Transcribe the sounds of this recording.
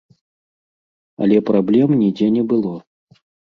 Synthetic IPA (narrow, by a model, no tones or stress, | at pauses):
ɐ̰lʲɛpɾablʲɛmnʲid͡zʲɛnʲɛbɨlˠɔ